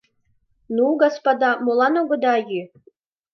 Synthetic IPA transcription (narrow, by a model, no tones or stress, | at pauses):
nuɡɑspɑd̪ɑmolˠɑnoɡŏd̪ɑjy